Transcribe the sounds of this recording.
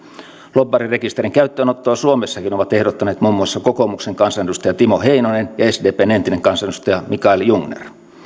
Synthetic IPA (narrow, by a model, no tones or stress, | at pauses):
lobːɑrirekist̪eɾiŋkæyt̪ːøːnot̪ːoːsuomesːɑkinoʋɑt̪ehɾot̪ːɑneːt̪muːmːuɑsːɑkokomukseŋkɑnsɑneust̪ɑjɑt̪imoheinonenjɑesdeːpeːnent̪ineŋkɑnsɑneust̪ɑjɑmikɑljuŋnḛr